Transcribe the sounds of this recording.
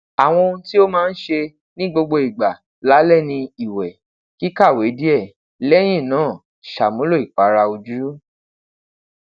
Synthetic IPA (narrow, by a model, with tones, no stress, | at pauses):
a˨w̃ɔ̃˧˦ti˦o˦mãː˦˧n̩˦ʃe˧ | nĩ˦ɡ͡bo˧ɡ͡bo˧i˨ɡ͡ba˨ | la˨˦lɛ˦˨nĩ˧i˨wɛ˨ | ki˦ka˦˨we˨˦di˦ɛ˦˨ | lɛ˦j̃ĩ˦˨nãː˨˦˨ | ʃa˨mũ˨˦lo˦˨i˨k͡pa˨˦ɾa˧o˧d͡ʒu˦ɾu˦